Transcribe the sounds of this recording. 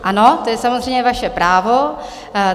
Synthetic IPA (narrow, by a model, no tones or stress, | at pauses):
ʔano̞t̪ojɛsamozrejɲɛvaʃɛpɾaːvo̞